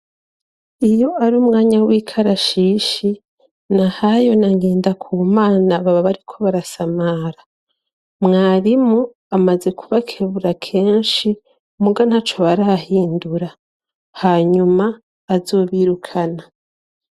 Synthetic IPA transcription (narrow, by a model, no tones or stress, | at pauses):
ijo̞aɾuːmŋaːɲawiːkʰaɾaʃiʃi | nahajo̞naŋɡe̞ːndakʰuːmaːnaβaβaβaɾikʰo̞βaɾasamaːɾa | mŋaːɾimu | amaze̞kʰuβakʰeβuɾakʰe̞ːnʃi | muɡan̥hat͡ʃoβaɾaahiːnduɾa | haːɲumaː | zo̞ːβiːɾukʰana